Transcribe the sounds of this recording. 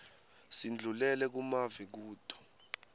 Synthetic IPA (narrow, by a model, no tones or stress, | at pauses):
sind͡ɮʱulɛlɛk̬umavɛk̬uːd̥ʰʱɔ̥